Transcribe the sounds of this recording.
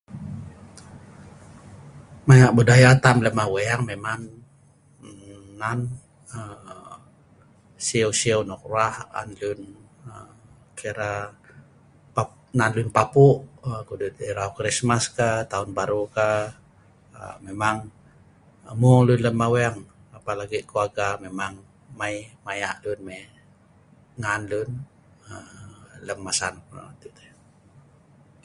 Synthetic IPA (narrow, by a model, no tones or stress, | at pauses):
maɲaʔbudajat̪amləmaweaŋmemaŋ | an | ə | siəwsiəwnɔk̚raha̰nlun | ə | keɾa | pa | nanlunpapuʔkudut̪eɾakɾismaskat̪aunbaɾuka | ə̰memaŋ | mɔlunləmːawɛŋ | apalaɡiʔkuaɡamemaŋ | maimajaʔlunme | ŋanlun | ələmːasanpna̰a̰t̪it̪ɛ